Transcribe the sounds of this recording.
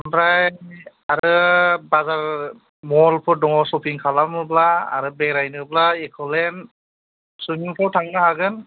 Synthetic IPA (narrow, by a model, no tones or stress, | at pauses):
ɔnɾaj | aɾɯbazaɹ | mɔlpʰɔɾdɔŋɔsɔpʰiŋkʰalamɯbla̰ːɾɯbɛɡɾajnɯblaekʰɔlɛn | sujmiŋpʰɔwtʰaŋnaɦaɡɯn